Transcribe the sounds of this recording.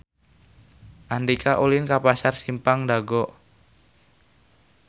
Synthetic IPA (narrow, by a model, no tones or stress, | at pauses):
ʔandikaʔulinkapasarsimpaŋdaɡɔʔ